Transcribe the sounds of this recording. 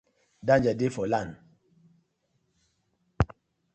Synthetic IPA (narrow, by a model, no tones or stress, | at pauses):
dãnd͡ʒadefɔlan